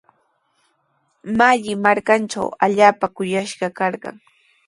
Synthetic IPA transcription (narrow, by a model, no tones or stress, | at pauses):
maʎɪmaɾkanʈ͡ʂa̰waʎaːpakʊjaʃɢɑkɑɾɢɑ̰ŋ